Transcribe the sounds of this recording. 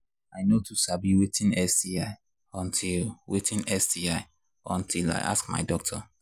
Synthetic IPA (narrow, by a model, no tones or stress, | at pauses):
aɪnotʰusabiwetĩnɛsdiaɪ | ɔ̃ntʰilwetĩnɛsdiaɪ | ɔ̃ntʰila̰ɪʔa̰skma̰ɪdɔk̚tʰɔ